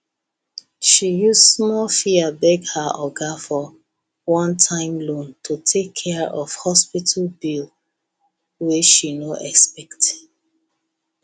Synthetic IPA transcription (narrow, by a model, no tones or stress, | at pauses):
ʃijussmɔlfiabɛɡhaʔɔɡafɔ | wɔ̃ntʰãɪ̃mlõntʰutʰekʰːɛɹɔv̥hɔspitʰəlbil | wiʃinoʔɛkspɛkt